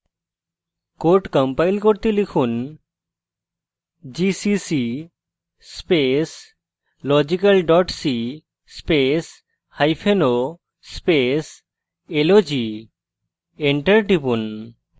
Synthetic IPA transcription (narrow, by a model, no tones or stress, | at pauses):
koɾʈkɔmpajlkoɾt̪elikʰun | d͡ʑisisi | spes | lɔd͡ʑikalɖɔʈsi | spes | hajpʰeno | spes | elod͡ʑi | eɳʈəɾʈipun